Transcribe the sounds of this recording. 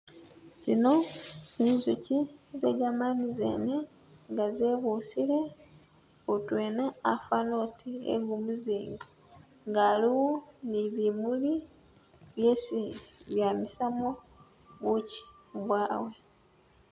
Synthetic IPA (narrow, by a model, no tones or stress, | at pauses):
z̥ino̞nizucizḛɡamanizḛne | ŋɡazeβusile̞ | utwe̞ːnaːfanotʰiḛɡumuziːŋɡa | ŋɡaliwuniβimuli | βjesiβjamisamo | βuci̥βwaːwe̞